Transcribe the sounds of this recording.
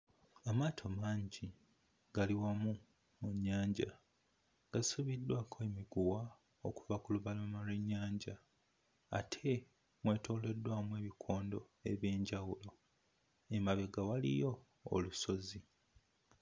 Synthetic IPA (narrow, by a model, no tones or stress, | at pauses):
amaːtʰo̞maːɲɟi | ɡ̥aliwamu | muɲːaːɲɟa | ɡ̥asuβidːwaːkʰoe̞miɡuwa | oku̥vakuluβalomalwe̞ɲːaːɲɟa̰ː | tʰe̞ | mwe̞ːto̞ːle̞dːwaːmue̞ːβikʰo̞ːndo̞ | e̞βje̞ːɲɟawulo̞ | emaβe̞ɡawalḭjo̞̰ː | luso̞zi